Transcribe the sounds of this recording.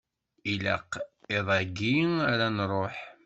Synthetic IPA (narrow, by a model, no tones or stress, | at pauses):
ilæ̰qɪðˤæɡiŋaɾænɾˤoħ